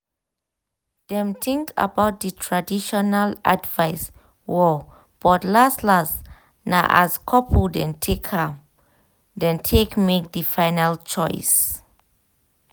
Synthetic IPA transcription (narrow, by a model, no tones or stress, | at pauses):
d̥ɛ̃mtĩŋka̰bawt̚dətʰɹadiʃɔnala̰dvaɪs | wɔ | b̥ɔtlastlas | naʔa̰skʰɔpʰudɛ̃ntʰekʰa | dɛ̃ntʰekmek̚dəfaɪnalt͡ʃɔɪs